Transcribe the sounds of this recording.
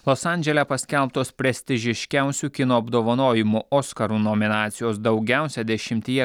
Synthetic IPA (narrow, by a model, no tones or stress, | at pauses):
lˠɔsɑˑnʲd͡ʒʲɛlʲɛpɐsʲkʲɛlˠpt̪oːspʲɾʲɛsʲt̪ʲɪʒʲɪʃʲkʲæˑʊsʲukʲɪnoːɐbd̪oːʋɐnoːjɪmuʔoːskɐɾuːnomʲɪnɑːt̪sʲɪjoːsd̪ɒʊɡʲæˑʊsʲɛd̪ʲɛʃʲɪmʲt̪ʲijɛ